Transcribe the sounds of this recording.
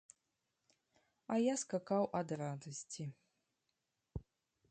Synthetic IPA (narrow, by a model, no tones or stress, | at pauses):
ajaskakawʔad̪rad̪ɐsʲtʲi